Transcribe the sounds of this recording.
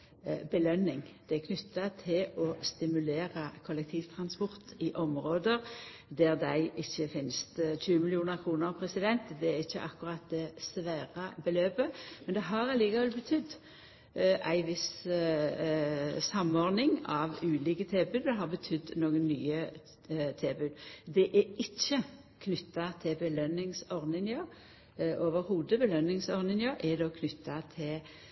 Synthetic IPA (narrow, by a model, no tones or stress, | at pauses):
bəlœnːɪŋd̪̥ɛɛkʰnʏt̪ːɑt̪ʰɪlɔst̪ɪmʉleːʁɑkʰɔlɛk̚t̪ʰiːʋt̪ʰʁɑnspɔʁt̪ɪʔɔmʁoːd̪əʁ | d̪æʁd̪æɪʔɪçːəfɪnst̪c͡çʉːəmɪlɪuːnəʁkʰʁuːnəʁpʰʁɛsɪd̪ɛnt̪d̪ɛæʁɪçːəʔɑkʊʁɑt̪̚d̪ɛsʋæːʁɑbəløːpəmɛnd̪ɛɦɑʁɑliːkɑʋɛlbət̪ʰʏd̪ː | ʔæ̰ɪʋɪs | sɑmɔʁnɪŋɑʋʉːliːkət̪ʰeːbʉːd̪d̪ɛɦɑʁbət̪ʰʏd̪ːnoːɡənːyːə | t̪ʰeːbʉːd̪d̪ɛʔɛɪçːə | kʰnʏt̪ːɑt̪ʰɪbəlœnːɪŋsɔʁnɪŋəʁ | ʔoːʋəɾhuːd̪əbəlœnːɪŋsɔʁnɪŋəɾʔɛd̪oːkʰnʏt̪ːɑt̪ʰɪl